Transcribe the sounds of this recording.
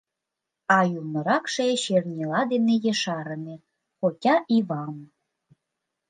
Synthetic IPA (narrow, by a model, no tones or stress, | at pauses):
ɑjulnɤ̆ɾɑkʃeeɕernʲilɑd̪enejĕʃɑɾə̆ne | xokʲɑʔiβɑm